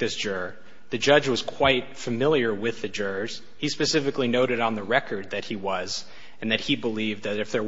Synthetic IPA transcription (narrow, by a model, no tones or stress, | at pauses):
ðɪsd̥ʒ̥ʊɹ | ðɨd͡ʒʌd͡ʒwʌz̥kʰw̥aɪt̚fɨmɪlˠjə˞wɪðɨd͡ʒʊɹz̥ | hispɨsɪfɨklinoʊɾɨɾn̩ðəɹɛkə˞d̪̚ðɨt̚hiwʌz | ɨ̃nðɨt̚hibəlivðɨɾɨfðə˞